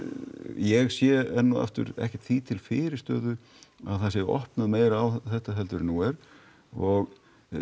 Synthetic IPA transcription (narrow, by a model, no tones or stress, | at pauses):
jɛɣsjɛɛnːɔa̰ft̪ʏ̰ɾɛ̰hcɛ̥t̪θit̪ʰɪlfɪːɾɪ̥st̪œ̰ːðʏ | aðθaðsjɛɣɔ̰hpnaðmeːjɾawθɛht̪aɦɛlt̪ʏɾnuːɛɾ̥ | ɔɣ